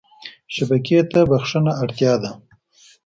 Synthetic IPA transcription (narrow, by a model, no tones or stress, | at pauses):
ʃabaket̪abaxʂənaːɽt̪jɑd̪a